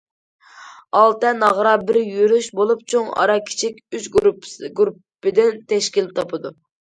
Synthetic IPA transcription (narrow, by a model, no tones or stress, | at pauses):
ɑlˠt̪ɛnɑʁɾɑbɪɾjyɾyʃbolˠup̚t͡ʃʰoŋɑ̰ɾɑkʲʰi̥t͡ʃʰikʲyt͡ʃɡɾupːɪd̪ɪnt̪ʰɛʃkʲilt̪ʰɑpʰɨd̪u